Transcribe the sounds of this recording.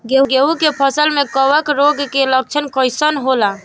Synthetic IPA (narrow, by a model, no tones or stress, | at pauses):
ɡeɡeukepʰəsəlmekəʋəkɾoɡkelək̚t͡ʃʰənkəɪsənɦola